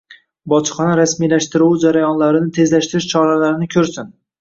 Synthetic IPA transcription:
bɒt͡ʃχɒnaɾasmijlaʃt̪ɪɾuwd͡ʒaɾajɒnlaɾɪnɪt̪ʰe̞zlaʃt̪ɪɾɪʃt͡ʃʰɒɾalaɾɪnɪkʲʰɵɾsɪn

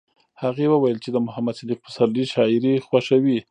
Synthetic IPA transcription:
haɣewəwajəlt͡ʃed̪əmʊhamad̪ʃad̪iq̚pəsaliʃɑɪɾixwaʃawi

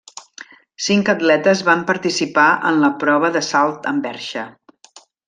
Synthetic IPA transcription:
siŋkəd̪lɛt̪əzβampəɾt̪isipaʔə̰nləpɾɔβ̞əðəsalˠt̪əmbɛɾʃə

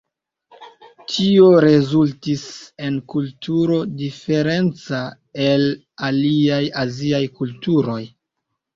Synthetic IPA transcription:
tʰio̞ɾe̞zultise̞nkultʰuɾo̞dife̞ɾe̞nt͡sa | e̞l | aliajaziajkultuɾo̞j

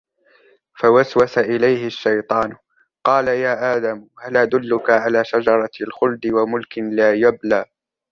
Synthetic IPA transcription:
fawaswasaʔɪlajhɪʃːɑjt̪ˤɑːn | qɑːlajaːʔaːd̪amhalʔad̪ʊlːʊkaʕalaːʃad͡ʒɑɾˤɑlxʊld̪ɪwamʊlkɪlaːjablaː

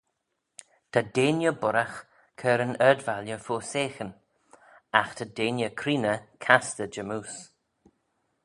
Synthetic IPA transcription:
t̪ʰadeːnjəbʊɾax | kʰɛːɾənɛd̪valjəfoːseːxən | axt̪ʰadeːnjəkʰɾiːnəkʰast̪əd͡ʒəmuːs

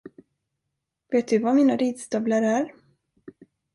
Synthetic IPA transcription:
veːt̪̚d̪ɵvamiːnaɾiːd̪sd̪œːblaɾæɾ

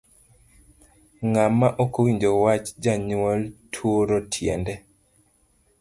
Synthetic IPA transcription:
ŋamːaʔokowiɲd͡ʒowat͡ʃd͡ʒaɲwɔltʰwoɾotʰjɛ̰ndɛ

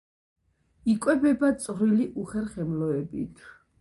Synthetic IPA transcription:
ikʼwɛbɛbat̪sʼvɾiliʔuχɛɾχɛmlɔɛbḭt̪ʰ

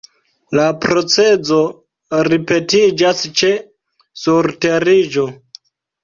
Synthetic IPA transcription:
lapɾo̞t͡sed͡zo | ɾipe̞tid͡ʒast͡ʃe̞ | suɾte̞ɾid͡ʒo

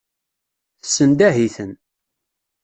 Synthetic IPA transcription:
θə̥sːənd̪æɦiθən

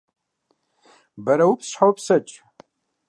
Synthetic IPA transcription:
bɐɾɐwupsɕħawpsɐt͡ʃʼ

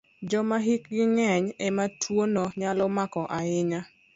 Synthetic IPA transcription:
d͡ʒɔmaɦik̚ɡɪŋɛɲɛmatʰwonoɲalɔmakɔʔaɪɲa

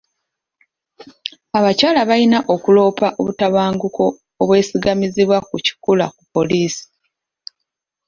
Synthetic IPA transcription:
aβacaːlaβainaʔo̞kulo̞ːpaʔo̞βutaβaːŋɡuko̞ː | βwe̞ːsiɡamiziβwakuci̥kula̰kupːo̞liːsi̥

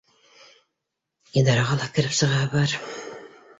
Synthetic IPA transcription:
id̪ɑɾɑʁɑlˠɑkɘ̆ɾɘpsɤ̆ʁɑbɑɾ

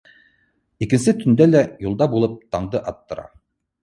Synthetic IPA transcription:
ikɘ̆nsɘt̪ɵ̆nd̪ælæjulˠd̪ɑbulˠɤp̚t̪ɑɴd̪ɤʔɑt̪ːɤ̆ɾɑ̰

